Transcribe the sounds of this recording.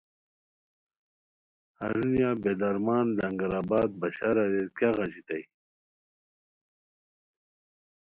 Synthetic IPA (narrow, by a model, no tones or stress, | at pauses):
a̰ɾunjabed̪ɐɾmaːnlaŋɡaɾaːbaːd̪̚baɕaɾaɾekaɣat͡ɕit̪aj